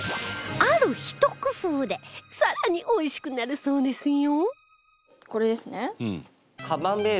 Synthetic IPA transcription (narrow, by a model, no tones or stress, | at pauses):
aɾɯ̟çi̥t̪okɯ̟soːd̪e̞saɾaɲ̟iʔo̞iɕi̥kɯ̟naɾɯ̟so̞ːd̪e̞sɨjo | ko̞ɾe̞d̪e̞sɨneɯ̃ | kabãmbeː